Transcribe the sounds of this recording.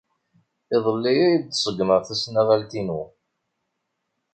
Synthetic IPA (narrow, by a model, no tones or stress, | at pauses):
ɪðˤəlːijæjisˤəɡməʁθæsnæʁælt̪inu